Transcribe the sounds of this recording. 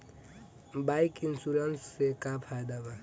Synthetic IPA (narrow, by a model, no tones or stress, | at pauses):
bajkinsuɾensːekapʰajd̪aba